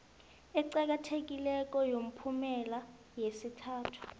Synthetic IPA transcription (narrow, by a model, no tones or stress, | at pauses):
ɛǀak̬atʰek̬ʼilɛk̬ʼɔjom̩pʰumɛla | jesitʰaːtʰu̥